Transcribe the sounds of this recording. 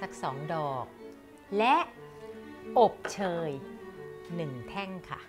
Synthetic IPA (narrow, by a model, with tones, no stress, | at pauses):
sa˨˩k̚sɔː˩˦ŋdɔː˨˩k̚ | lɛ˦˥ʔ | ʔo˨˩p̚t͡ɕʰɤː˧j | nɯ˨˩ŋt̪ʰɛ˥˩ŋkʰa̰˥˩